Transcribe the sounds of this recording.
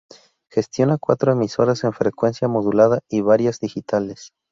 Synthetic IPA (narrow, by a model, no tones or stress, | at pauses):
xe̞st̪jo̞nakwat̪ɾoe̞miso̞ɾase̞ɱfɾe̞kwe̞nsjamo̞ðulaðaiβaɾjazðixit̪ales